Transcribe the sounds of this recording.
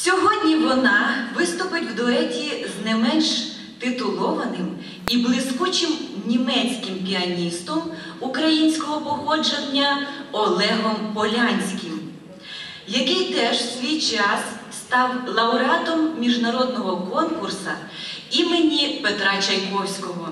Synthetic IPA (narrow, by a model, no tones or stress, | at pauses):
sʲɔɦɔdʲnʲiʋɔnɑʋɪst̪ʊpɪtʲwd̪ɔɛtʲiznɛmɛnʃ | t̪ɪt̪ʊlˠɔʋɐnɪm | iblˠɪskut͡ʃɪmnʲimɛt͡sʲkɪmpʲiɐnʲist̪ɔm | ukɾɐjinʲsʲkɔɦɔpɔɦɔd͡ʒenʲːɐɔlˠɛɦɔmpɔlʲanʲsʲkʲɪm | jɐkɪjt̪ɛʒsʲʋʲijt͡ʃɑsst̪ɑwlˠɐʊɾat̪ɔmːʲiʒnɐɾɔd̪̚nɔɦɔkɔnkʊrsɐ̰ | imenʲipet̪ɾɑt͡ʃɐjkɔwsʲkɔɦɔ